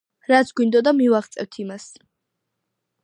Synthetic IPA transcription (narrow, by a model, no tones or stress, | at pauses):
ɾat̪sʰɡwind̪ɔd̪amivaχt̪sʼɛvt̪ʰimas